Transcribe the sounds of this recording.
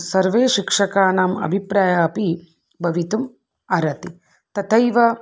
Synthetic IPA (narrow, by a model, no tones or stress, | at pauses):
sɐɾʋeːʃikʂɐkaːnaːmɐ̰bʱipɾaːjaːpi | bʱɐʋit̪um | ɐɾɐt̪i | t̪ɐt̪ʰɐjʋɐ